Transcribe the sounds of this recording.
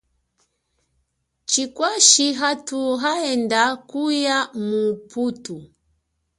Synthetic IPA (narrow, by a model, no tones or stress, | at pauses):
t͡ʃikwaʃiɦatuɦaɛndakujamuputu